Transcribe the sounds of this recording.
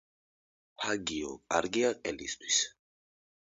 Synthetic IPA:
pʰaɡiɔkʼaɾɡiaqʼɛlist̪ʰwi̥s

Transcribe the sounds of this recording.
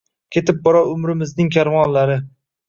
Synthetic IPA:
kʲʰe̞t̪ʰɪp̚bɒɾaʊmɾɪmɪznɪŋkʲʰaɾvɒnlaɾɪ

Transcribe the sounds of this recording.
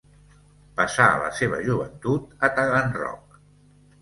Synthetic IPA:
pəsaələ̰seβ̞əʒuβ̞ənt̪ut̪ət̪aɣanrɔ̰k̚

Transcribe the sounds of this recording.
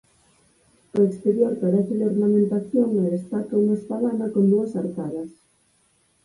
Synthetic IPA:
oekst̪eɾjoɾpeðeθɪleornamẽnt̪aθjoŋelest̪at̪ouŋaspalanɐkond̪uɐsaɾk̪aðɐs

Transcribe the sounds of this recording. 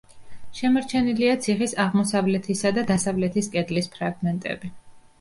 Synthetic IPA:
ʃɛmɔɾt͡ʃʰɛniliat̪sʰiχisaʁmɔsavlɛt̪ʰisad̪ad̪asavlɛt̪ʰiskʼɛd̪lispʰɾaɡmɛnt̪ʼɛ̰bi

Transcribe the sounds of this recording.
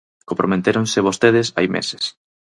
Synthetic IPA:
kompɾomet̪eɾonsɪβ̞ost̪eð̞esa̰jmḛse̥s

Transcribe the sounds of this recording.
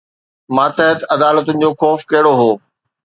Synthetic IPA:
mãːt̪ɐɦət̪ɐd̪aːlət̪ʊnɪ̆d͡ʑoːxɔːfkɐɦɪɽoɦoː

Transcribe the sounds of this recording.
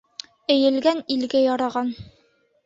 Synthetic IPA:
ɘ̆jɘ̆lɡænilɡɘjɒɾɑʁɑn

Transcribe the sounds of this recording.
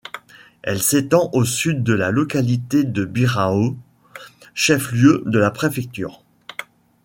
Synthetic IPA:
ɛ̰lset̪ɑ̃ʔosyd̪̚ːəlalɔkalit̪ed̪əbiʁao | ʃɛfljød̪əlapχefɛk̚t̪y̰ːʁ

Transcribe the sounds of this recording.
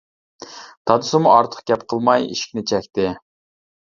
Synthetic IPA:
d̪ʰɑd̪ɨsʊmuʔɑɾt̪ʰə̥q̚ɡʲɛpqʰəlˠmɑjḭʃi̥kʲnɪt͡ʃʰɛkʲt̪ɪ

